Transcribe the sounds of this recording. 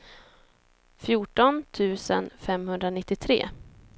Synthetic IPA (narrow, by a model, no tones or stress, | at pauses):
fjuːʈɔnt̪ʰʉ̟ːsə̰nfɛmhɵnd̪ɾanɪt̪ːɪt̪ʰɾḛː